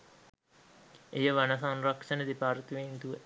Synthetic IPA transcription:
ejəʋanəsanrɐkʂənəd̪ipaːɾt̪ʋeːnt̪uʋə

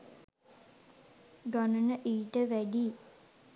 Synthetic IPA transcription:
ɡanənəʔiːʈəʋæɖi

